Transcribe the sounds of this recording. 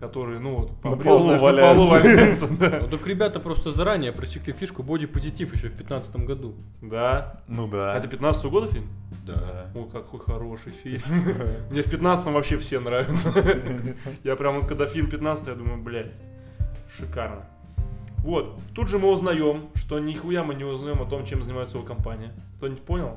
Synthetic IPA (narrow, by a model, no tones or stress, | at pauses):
kɐt̪o̞ɾɨjənuvot̪pɐbɾʲeɐlʲplˠovɐlʲjt̪səd̪aot̪okɾʲɪbʲat̪əpɾo̞st̪əzɐɾanʲɪjəpɾəsʲɪklʲifʲiʂkʊbodʲɪpəzʲɪtʲifjɪɕːofʲpʲɪt̪nat̪sə̥t̪əmɡɐd̪u | d̪a | naɛt̪əpʲɪt̪nat̪st̪əvəɡo̞d̪əfʲilʲmd̪aojkakxojxɐɾo̞ʂɨjfʲilʲmmnʲefpʲɪt̪nat̪st̪əmvɐpɕːefsʲe̞nɾavʲɪt̪sə | japɾʲamvot̪̚kɐɡd̪afʲilʲmpʲɪt̪nat̪sət̪jad̪uməjʊblʲætʲ | ʂɨkarnə | vo̞t̪t̪ːudʐɨmɨʊznɐjo̞mʂt̪o̞nʲɪxʊjamɨnʲɪʊznɐjo̞mɐt̪o̞mt͡ɕemzənʲɪmajʊt̪əvokɐmpanʲɪɪkt̪onʲɪtʲpo̞nʲɪlˠ